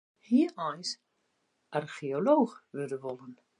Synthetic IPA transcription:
hiːɔjs | ʔarxioloːxʋødəʋɔlən

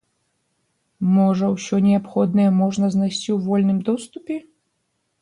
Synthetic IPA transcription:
mɔʐɐwsʲɔnʲɛapxɔd̪nɐjɛmɔʐnɐznajsʲt͡sʲiwvɔlʲnɨmd̪ɔst̪upʲɛ

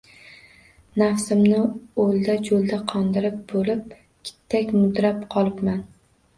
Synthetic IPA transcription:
nafsɪmnɪolˠd̪ad͡ʒolˠd̪aqʰɒnd̪ɪɾɪp̚bolɪp̚ | kʲʰɪ̥t̪ʰːakʲmʊd̪ɾapqʰɒlˠɪpman

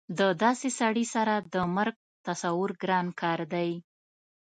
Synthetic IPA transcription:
d̪əd̪ɑsesaɽisaɾad̪əmaɾɡ̚ | t̪asawʊɾɡɾɑnkɑɾd̪aj

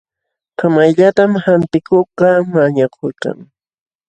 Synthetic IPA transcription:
kʰamajʎat̪amhant̪ɪkoqɑmaɲakʰʊka̰ŋ

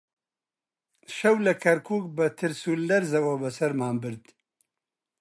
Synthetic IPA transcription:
ʃɐwlɐkʰɐɾkʰuːk̚bɐt̪ʰɨɾsuːlːɐɾzɐwoːbɐsɐɾmaːmbɨɾd̪

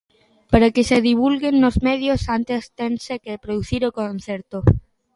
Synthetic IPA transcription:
paɾakɪseðiβ̞ulɣenːozmɛðjosant̪est̪ensekepɾoðuθiɾokon̟θɛɾt̪o

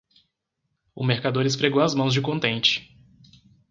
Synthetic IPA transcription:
ʊmeɾkad̪oɾɪspɾeɡowɐzmɐ̃w̃zd͡ʒɪkõnt̪ẽnt͡ʃɪ̥

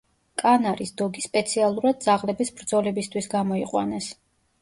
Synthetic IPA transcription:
kʼanaɾisd̪ɔɡispʼɛt̪sʰialˠuɾad̪̚d̪zaʁlɛbisbɾd̪zɔlɛbist̪ʰwisɡamɔiqʼwa̰nɛs

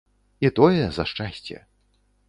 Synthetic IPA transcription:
it̪ɔjɛzɐʂt͡ʂasʲt͡sʲɛ̰

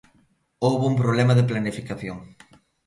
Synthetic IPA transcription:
owβoump̬ɾoβlɛmɐðeplanifikaθjoŋ

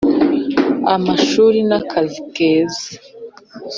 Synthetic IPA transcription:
amaʃuːɾinakʰazikeːza

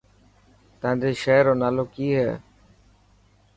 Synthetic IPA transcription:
t̪əãːnd̪eːʃɛːɾoːnaːloːkiːɦɛ̰ː

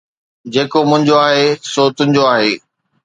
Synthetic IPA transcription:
d͡ʑeːkomʊ̃ɦɪ̃ɲd͡ʑoaːɦesoːt̪ʊ̃ɪ̃ɲd͡ʑoaːɦeː

